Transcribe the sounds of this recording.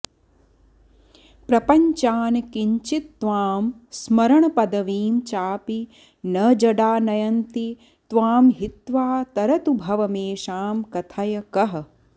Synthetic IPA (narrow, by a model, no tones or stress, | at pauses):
pɾɐpɐɲt͡ʃaːnkiɲt͡ʃit̪ːʋaːmsmɐɾɐɳɐpɐd̪ɐʋiːmt͡ʃaːpi | nɐd͡ʒɐɖaːnɐjɐnt̪i | t̪ʋaːmɦit̪ʋaːt̪ɐɾɐt̪ubʱɐʋɐmeːʃaːmkɐt̪ʰɐjɐkɐɦɐ̆